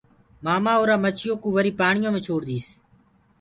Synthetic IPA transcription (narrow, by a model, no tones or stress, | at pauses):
maːmaːoːɾãːmət͡ʃʰɪjõːkũːʋəɾiːpaːɳɪjõːmẽːt͡ʃʰoːɽd̪iːs